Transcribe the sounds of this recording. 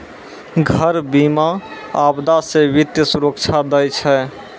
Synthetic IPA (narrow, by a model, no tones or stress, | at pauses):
ɡʱəɾbimaːbd̪asẽʋit̪jəsuɾəkt͡ʃʰad̪əjt͡ʃʰɛ